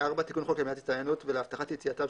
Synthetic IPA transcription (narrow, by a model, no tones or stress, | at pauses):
aʁbat̪ikunχokjamiat̪i̥tt͡sajanut̪veleaft̪aχat̪jet͡siat̪av